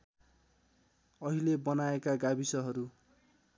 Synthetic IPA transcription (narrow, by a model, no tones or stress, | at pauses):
ʌɦilebʌnaekaɡabisʌɦʌɾu